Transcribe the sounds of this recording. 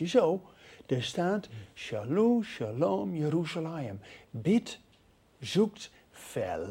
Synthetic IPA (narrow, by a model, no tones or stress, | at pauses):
əsowd̥əstaːtʃaluʃalomjəɾusalaəmbɪt | zuk̚t | fɛ̰